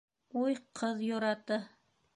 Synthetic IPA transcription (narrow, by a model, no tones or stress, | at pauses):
ujqʰɤðjoɾɑt̪ɤ